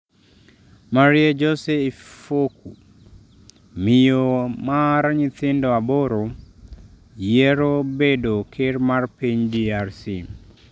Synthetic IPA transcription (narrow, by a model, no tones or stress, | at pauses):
maɾied͡ʒɔseifoku | mɪjomaɾaɲɪt̪ɪndɔaboɾo | jeɾobedokʰɪrmarpiɲdiarsḭ